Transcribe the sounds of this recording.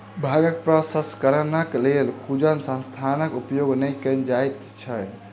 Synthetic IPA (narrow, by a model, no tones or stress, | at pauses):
bʱaɡəkpɾəsəskəɾənəklelkʰud͡ʒənsə̃nst̪ʰanəkupjoɡnəjkənd͡ʒajt̪ | t͡ʃʰɛ